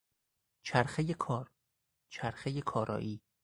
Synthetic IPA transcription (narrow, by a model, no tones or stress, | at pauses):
t͡ʃʰæɾxejekʰɒːɾ | t͡ʃʰæɾxejekʰɒːɾʔɒ̰ːʔiː